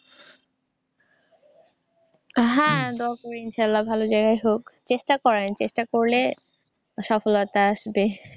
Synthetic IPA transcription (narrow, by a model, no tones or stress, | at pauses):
ɦãd̪oakoɾiinʃalːabʱalod͡ʑajɡajɦokt͡ɕeʃʈakɔɾent͡ɕeʃʈakoɾle | ʃɔfolot̪aaʃbe